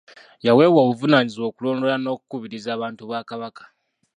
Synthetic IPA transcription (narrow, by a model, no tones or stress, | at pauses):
jawe̞ːwoːβuvunaːɲizwo̞ːkulo̞ːndo̞lano̞ːku̥kuβiɾizaːβaːntuβaːkaβakḁ